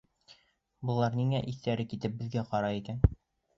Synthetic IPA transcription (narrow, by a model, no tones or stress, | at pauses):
bɤ̆lˠɑɾniŋæʔiθt̪æɾɘkit̪ɘp̚bɘ̆ðɡæqɒɾɑikæn